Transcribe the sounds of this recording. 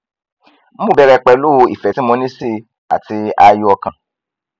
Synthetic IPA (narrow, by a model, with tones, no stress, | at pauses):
m̩˦ũ˦˨bɛ˧ɾɛ˧k͡pɛ˧lo˦˧ḭ˨fɛ˨tĩ˦mɔ̃˧nĩ˦si˦˨ | a̰˨ti˧a˧ju˧ɔ˧kã˧˨